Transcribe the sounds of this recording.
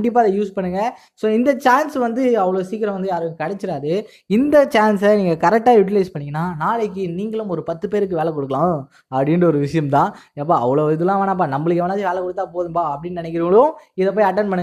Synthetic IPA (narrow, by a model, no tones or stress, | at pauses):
ɳɖɪp̬ːaːðɐjuːspɐɳːɯŋɡɐ | soːɪnd̪ɐt͡ʃaːnsʋɐnd̪ɯɐʋɐɭoːsiːkːɪɾɐ̃ʋɐnd̪ɯjaːɾɯkɐɽɛt͡ʃːɪɾaːðɯ | ɪnd̪ɐt͡ʃaːnsɛniːŋɡɐkɐɾɛk̚ʈːaːjʊʈ̬ɪlɐɪspɐɳːɪŋɡɐnːaːnaːɭɛk̬ːɯniːŋɡɐɭɯmɔɾɯpɐt̪ːɯpeːɾɯkːɯʋeːɭɛkɔɽɯkːɐɭlãː | ɐpːɐɽɪnɾɯɔɾɯʋɪʂɐjɐmt̪ãːɐpːoːɐʋɐɭoːɪðɯlːãːʋɐːnãːpaːnɐmːɐɭɯk̬ːɛʋɐnaːðɯʋeːɭɐkːɔɽɯt̪ːaːpoːðɯmpaːɐpːɐɽɪnːɯnɪnɛk̬ːɪɾɯŋɡɐɭʊ̃ɪðɐp̬oːjɐʈːɐnpɐɳɯɡ